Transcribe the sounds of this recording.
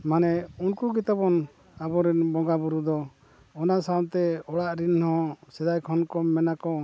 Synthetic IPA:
manɛunkuɡit̪abɔn | abɔɾɛnbɔɡabuɾud̪ɔ | ɔnasamt̪ɛɔɽaʔɾinhɔ̃sɛd̪ajkʰɔnkɔmɛnakɔ

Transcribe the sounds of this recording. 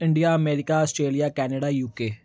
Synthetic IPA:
iɳɖijaɐmeːɾikʲːaɐsʈɾeːlijakaːnɐɽajuːkːeː

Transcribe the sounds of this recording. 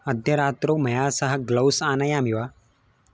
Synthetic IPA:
ɐd̪ʱjɐɾaːt̪ɾowmɐjaːsɐɦɐɡlɐwsaːnɐjaːmiʋaː

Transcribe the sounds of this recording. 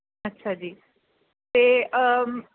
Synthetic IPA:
ətːʃʰad͡ʒiː | t̪eə

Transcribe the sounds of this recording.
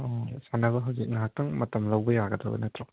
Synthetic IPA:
ɔsanaβɐɦawzik̚ŋaak̚tɐŋmɐtɐmlawbɐjaɡɐdɐ̰bɐ̰nɐtɾɔ

